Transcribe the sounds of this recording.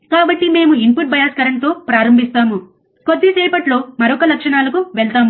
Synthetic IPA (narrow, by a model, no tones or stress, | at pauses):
kaːbɐʈːime̞ːmuimpuʈ̚bɐjaːskɐɾɐnt̪o̞ːpɾaːɾɐmbʱist̪aːmu | ko̞d̪ːisɛːpɐʈlo̞ːmɐɾɔkɐlɐkʂɐɳaːlɐkuʋɛɭt̪aːmu